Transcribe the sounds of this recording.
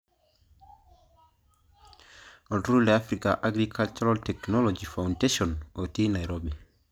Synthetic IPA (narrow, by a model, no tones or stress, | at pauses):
ɔltɾulɛafɾikaʔaɡɾikʰalt͡ʃɔɾɔltɛknɔlɔd͡ʒifawndeʃɔnɔtinajɾobi